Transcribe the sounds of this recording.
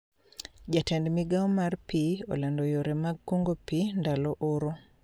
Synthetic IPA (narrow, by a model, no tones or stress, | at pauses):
d͡ʒatɛndmiɡaɔmarpiɔ̰landɔjoɾɛmaɡ̚koŋɡopindalɔʔʊɾo